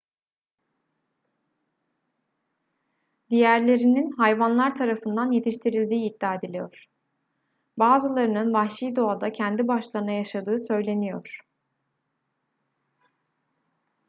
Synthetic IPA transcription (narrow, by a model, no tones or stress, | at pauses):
d̪ijæɾlʲe̞ɾininɦajvanlˠaɾt̪ʰaɾafɯnd̪anje̞t̪ʰiʃt̪ʰiɾilʲd̪iːd̪ːaːed̪ilʲijo̞ɾ̥ | baːzɯlˠaɾɯnɯnbaxʃijd̪o̞ad̪acʰɛnd̪ibaʃlˠaɾɯnajaʃad̪ɯːsø̞jlʲe̞nijoɾ̥